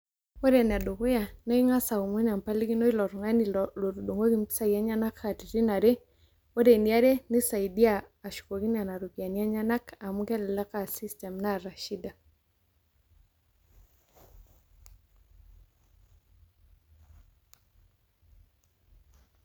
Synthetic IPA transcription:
o˦ɾɛ˨n˨a˨do˨ko˦ja˨na˦i˦ŋa˦sa˨u˨mo˦n˨a˨mpa˦li˦ɡi˦no˦i˦lɔ˨ɾɔ˨ŋa˦ni˨lo˨ɾu˨ɗo˨ŋo˦ɡi˦m˦pi̥˦sa˦ja˦ɲa˦na˦ka˨ti˨ɾi˦na˨ɾe˦ | wo˦de˨ni˦a˦ɾe˦nɪ˦sa˨i˨di˦aː˦˨ʃu̥˨ko˨ɡi˦n˦a˨na˨ɾo˨ki˨a˨ni˨a˦ɲa˦na˦ka˨mu˦kɛ˦lɛ˨la˦ka˨si˦stɛ˨mna˦ɾa˨ʃi˦da˨

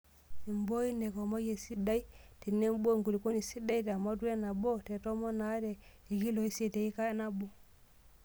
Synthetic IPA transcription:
i˨mbo˦i˦nɛ˨kɔ˨mo˦je˨si˦da˦i˦ti˨nːɛ˦m˦bo˦˨ŋku˨li˨ko˦ni˨si˦da˦i˦ta˨ma˦t̬u˦e˦na˨bo˦tɛ˨tɔ˦mɔ˦na˨˦ɾɛ˨ | i˨ɡi˦lo˨i˦si˦e˨te˨i˦ka˦ɛ˦na˦bo˦

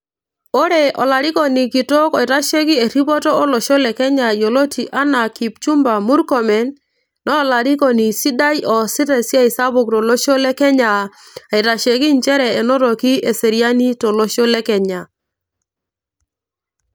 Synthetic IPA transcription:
o˦ɾe˨ʔɔ̰˨la˨ɾi˦kɔ˨ni˨ki˨to˦kɔ˨i˨ɾa˦ʃe˦ki˦e˨ɾi˦bɔ˦tɔː˦lo˨ʃo˦lɛ˨kɛ˦ɲa˨jo˨lo˦tʰi˨ʔa˦na˨ki˨p̚t͡ʃu˦mba˨mu˦ɾkɔ˨mɛ˨˦nː | ɔ˦˨la˨ɾi˦ko˨ni˨si˦da˦jɔ˨si˦ɾɛ˨si˦a˦i˨sa˦bʊ˨k̚tɔ˨lo˦ʃo˦lɛ˦kɛ˦ɲa˨ | a˨i˨ɾa˨ʃe˨ki˦nt͡ʃɛ˦ɾɛ˨e˨nɔ˦ɾo˨ki˦e˨se˨ɾi˦a˦ni˦to˨lo˦ʃo˦lɛ˦kɛ˨ɲa˨

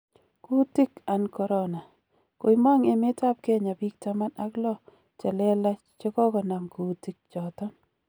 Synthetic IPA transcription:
ku˦ti˦ka˨nkɔ˨ɾɔna˨ | ko˨ima˦ŋe˨me˦ta˦p̚kɛ˦ɲa˨bi˦k̚ta˦ma˦na˦klɔ˦ | t͡ʃa˨lɛ˦la˦ | t͡ʃɔ˦kɔ˦kɔ˨na˨mku˨˦ti˦k̚t͡ʃɔ˨tɔ˦n

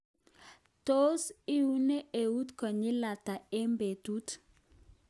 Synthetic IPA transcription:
to˦sɪ˦u˦ne˦e˨u˦t̪kɔ˨ɲɪ˦la˨ta˨e˦mbe˨tu˦t

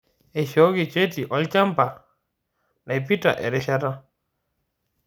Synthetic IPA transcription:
ɛ˨ʃɔ˨˦ɡi˨t͡ʃe˦ti˨ʔɔ˦lt͡ʃa˦mpa˨ | na˨jpi˦ta̰˨ʔɛ̰˨ɾɛ˦ʃa˦ta˦

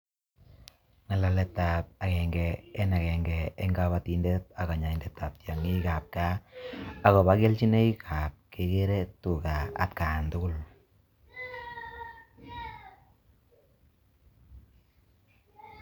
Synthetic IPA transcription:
ŋa˨la˨lɛ˨tːa˨p̚a˨kɛ˨ŋɡɛ˨ɛ˦na˨kɛ˨ŋɡɛ˨e˦ŋɡa˦βa˦tindɛ˦t̚a˨ka˨ɲa˨i˨ndɛ˨tːa˨p̚tja˨ŋi˦ka˨p̚ka˦ | a˨ɣɔ˨ba˦ke˦lt͡ʃi˦ne˦i˦kʰa˨p̚ke˨ke˦ɾɛ˦tu˨ka˨a̰˨tka˨ntʊ˦kʊ˦l

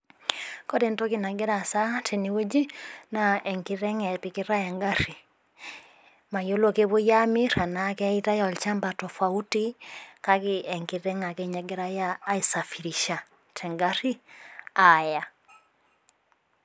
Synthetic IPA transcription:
kɔ˦de˨nto˦ki˨na˨ɡɛ˦ɾa˨sa˦tʰe˨ni˨wo˦d͡ʒi˦na˨ɛ˨ŋkiɾɛ˦ŋɛ˨pi˨kɪ˦ɾa˦ja˨ŋɡa˦ɾi˨ | ma˨jo˦lo˦˨ke˦βo˦ja˦mi˦ɾa˨na˦kɛ˦i˦ta˦ja˨ɔ˨lt͡ʃa˦mba˨tɔ˨fa˨u˦ti˦ka˦kɪ˦ɛ˨ŋki˨ɾɛ˦ŋa˨ke˦ɲa˨ɡɛ˦ɾa˦jaː˦i˨sa˨fi˨ɾi˨ʃa˨ | tʰɛ˨ŋɡa˦ɾi˦a˨ja˨

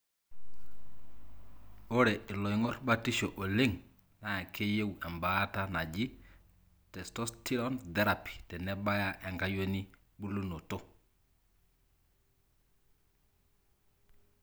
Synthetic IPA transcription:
o˦ɾɛ˨ɪ˨lɔ˨jŋɔ˦rba˦ti˦ʃo˨ʔo˨le˦ŋ | na˨a˨kʰe˦je˦wɛ˨mba˦ta˦na˨d͡ʒi˦ | tɛ˨stɔ˦sti˦ɾɔ˦nd̪ɛ˦ɾa˨pi̥˨tɛ˨nɛ˦ba˦ja˦ʔɛ˨ŋɡa˦jo˦ni˦ | bu˦lu˦no˨to˦

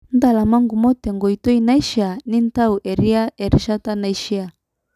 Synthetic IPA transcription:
n̩˦da˨la˨ma˦ŋɡu˨mɔ˦tɛ˨ŋɡɔ˨i˨tɔ˦i˨na˦i˦ʃi˦a˨ni˦n˦ta˦u˨ʔɛ˨ɾi˦a˦ɛ˨ɾi˨˦ʃa˦ta˦na˨i˦ʃi˦a˨

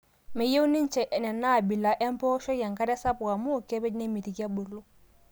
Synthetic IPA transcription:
mɪ˨je˦u˦nɪ˦n̩˦t͡ʃɛ˨ʔɛ˨nɛ˨na˦˨bi˨la˨ʔɛ˦m˦pɔ˦ʃɔ˦ja˨ŋka˦ɾɛ˦sa˦pu˨a˨mʊ˦˨kɛ˦be˦i˦ne˦mi˨ti˨ka˦bʊ˨lo˦

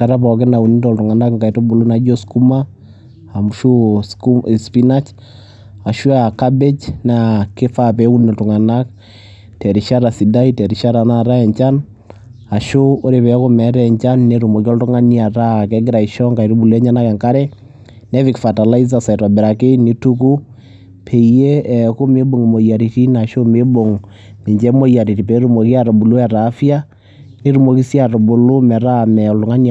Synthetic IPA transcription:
kaɾa˦pɔk̬ɛ˦na˨u˨ni˦ndɔ˨ltu˨ŋa˨na˦kŋka˨ito˦bu˨lu˦na˨d͡ʒɔ˦sku˦ma | a˨muʃusspina˦t͡ʃ | a˨ʃu˦akabɛ˦d͡ʒnake˦fapɛ˨u˦ni˨ltu˨ŋa˨nak | tɛ˨ɾiʃa˦ɾasi˨da˦i˦tɛɾiʃa˦ɾana˨ɾa˦ɛ˨ɲt͡ʃa˦n | a˨ʃo˦o˦ɾe˨pɛ˨˦ko˦mɛ˨ɾɛ˨ɲt͡ʃa˦nːe˨ɾu˨mo˨ki˦ɔ˦ltʊ˦ŋa˦nia˨ɾa˦˨kɛ˦ɡɪ˦ɾa˨i˨ʃɔ˦ŋka˨i˨ɾu˦bu˨lɛ˦ɲa˦na˦kɛ˨ŋka˦ɾɛ˦ | nɛ˦vi˨kfa˨ta˨la˦i˦za˨sa˨ta˨bɛ˨ɾa˨ke˦ni˦tu˦ku˦ | pʰe˨je˦˨ko˦me˦bo˨ŋi˨mo˨ja˨ɾi˨ti˦na˨ʃo˦me˦bo˨ŋ | ne˨ɲd͡ʒɛ˦mo˦ja˨ɾi˨ti˨pɛ˨˦ɾu˦mo˨ki˦a˨ɾa˨bu˨lu˦ɛ˨ɾaː˨˦fja˦ | ne˨˦ɾu˨mo˨ki˦si˦a˨ɾo˨bu˨lu˦mɛ˨ɾa˦˨mɛ˨ɔ˨ltʊ˦ŋa˦ni

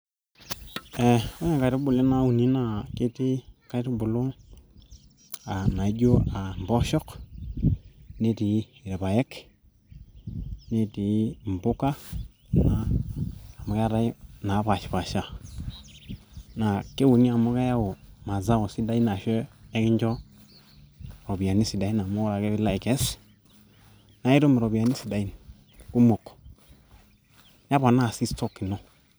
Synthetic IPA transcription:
e˨o˦ɲe˨ka˨ti˦bu˨le˦na˦u˨ni˦na˨ke˦ti˦ka˦ti˦bu˨lo˦ | a˨na˨i˦ɟo˦a˨m˨bo˦ʃɔ˦k | ne˦ti˨˦˨ɾe˨ba˨je˦k | ne˦ti˨˦m˨bu˦ka˦ | naː˨˦˨ | mu˨ka˦ɾa˦na˨˦ba˨ʃi̥˨pa˨ʃa˦ | na˨ke˦wu˨ni˦a˨mo˦ka˦ja˦wo˨ma˨za˦wo˨si˦da˨˦i˦na˨ʃɛ˦ɛ˦ki˦ɲ˦d͡ʒɔ˦ | ɾo˨bi˨a˨ni˦si˨da˨˦i˦n˨a˨mo˦ɾa˨ke˦βi˦la˦i˨kɛ˦s | na˨i˦ɾo˦me˨ɾo˨bi˨a˨ni˦si˨da˨i˦n˨ | ku˦mo˨k | a˦ba˨na˦˨si˦tɔ˦ki˨nɔ˦

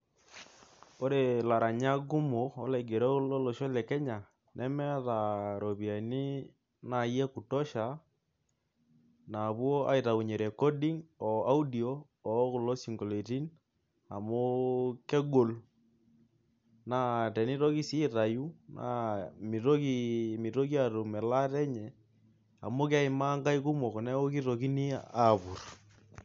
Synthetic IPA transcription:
o˦ɾe˨la˨ɾa˨ɲa˦ɡu˦mo˨ɔ˦la˨i˨ɡe˨ɾɔ˦lɔ˦lɔ˨ʃɔ˦lɛ˨kɛ˦ɲa˨ | nʔɛ˦mɛ˦ða˨ɾo˨pi˨a˨ini˦ | na˨jɛ˦ku˨tɔ˦ʃa˨ | na˨bwo˦ʔa̰˦i˨ta˨u˨ɲe˨ɾɛ˨kɔ˦di˦ŋɔ˨a˦u˦di˨oː˦˨˦ | ku˨lo˦si˨ŋɡo˨le˨ti˦n | a˨mo˦kɛ˦ɡo˨l | na˨˦tɛ˨ni˦ɾo˦ki˦si˦ɾa˨ju˦na̰˨mi˨ɾo˦ki˦mi˨ɾo˦ki˦a˦˨ɾu˨mɛ˨la˦tɛ˦ɲɛ˨ | a̰˨mo˦ka˦i˨ma˦ŋka˦i˦ku˦mɔ˨kɔ˨nɛ˦o˦ki˦ɾo˨ki˦ni˦a˨bu˨r

